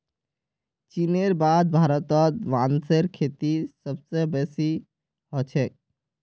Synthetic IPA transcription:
t͡ʃineɾbad̪̚bʱaɾɔt̪ɔt̪ʋanseɾkʰet̪isəbsebesi | ɦɔt͡ʃʰek

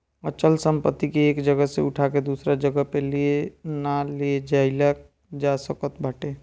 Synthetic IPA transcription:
ət͡ʃəlsəmpət̪ːikeːkd͡ʒəɡəsḛʊʈʰaked̪uːsɾad͡ʒəɡəpelienalied͡ʒaɪlək̚ | d͡ʒasəkət̪bʱəʈe

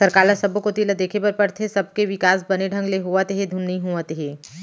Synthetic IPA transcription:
sɐɾkaːlasɐbokot̪ilad̪eːkʰepɐɾpɐɽt̪ʰesɐb̚keʋɪkaːs̬bɐneɖʱɐ̃ŋɡleɦuat̪eɦed̪ʱunːiɦuat̪eɦeː

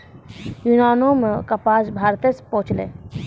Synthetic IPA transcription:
junaːnoːmkapaːsbʱaːɾt̪espɔ̃ːʊt͡ʃlḛː

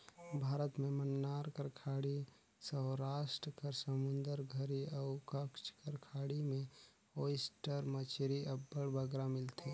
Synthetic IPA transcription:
bʱaːɾət̪mẽmənːaːɾkəɾkʰaːɽi | səɦɾaːʃʈɾəkəɾsəmʊ̃nd̪əɾɡʱəɾiaʊkəkʃkəɾkʰaːɽimẽ | ojsʈəɾmət͡ʃʰɾiʔəbːəɽbəɡɾamɪlt̪ʰe

